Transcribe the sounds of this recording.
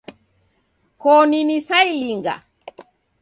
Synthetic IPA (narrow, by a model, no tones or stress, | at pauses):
kɔninisailiŋɡa̰